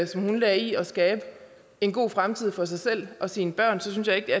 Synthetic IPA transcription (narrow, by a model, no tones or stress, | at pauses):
sɒ̽mhunlɛiɒ̽sɡ̥ɛːb̥ə | e̝nɡ̥o̝̰ːfʁamt͡sʰið̰ˠfɒ̽s̬ɑ̈ɪsel̰ɒ̽siːnəb̥ɶɐ̰nsɒ̽synsjɑ̈ɪe̝ɡ̥d̥eæɐ